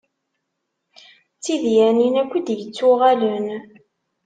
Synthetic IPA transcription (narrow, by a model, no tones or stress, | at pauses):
t͡sːiðjæninækʷːid̪jət͡sːʊʁælən